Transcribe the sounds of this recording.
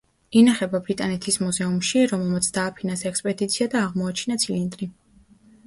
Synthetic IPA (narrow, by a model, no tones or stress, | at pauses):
inaχɛbabɾit̪ʼanɛt̪ʰismuzɛumʃiɾɔmɛlˠmat̪sʰd̪aːpʰinansɛkspʼɛd̪it̪sʰiad̪aːʁmɔat͡ʃʰinat̪sʰilind̪ɾi